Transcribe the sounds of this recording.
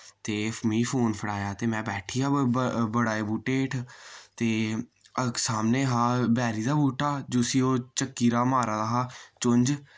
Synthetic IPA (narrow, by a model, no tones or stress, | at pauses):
t̪eːmiːfʰoːnpʰəɽaːjaːt̪eːmɛ̃ːbɛːʈʰiːaːbəɽaːeːbuːʈeːʈʰt̪eː | əksaːmneːɦaːbɛːɾiːd̪aːbuːʈaːd͡ʒoːsiːoːt͡ʃəkːiːɾaːmaːɾaːd̪aːɦaːt͡ʃʊɲd͡ʒ